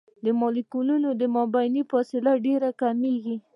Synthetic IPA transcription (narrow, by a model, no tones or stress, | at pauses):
d̪əmɑlikununod̪əmɑbajnifɑsɪlaɖeɾakameɡi